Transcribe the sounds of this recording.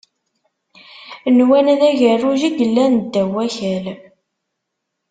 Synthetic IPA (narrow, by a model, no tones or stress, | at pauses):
nwænðæʝərːuʒiɡəlːænd̪ːæwæçæl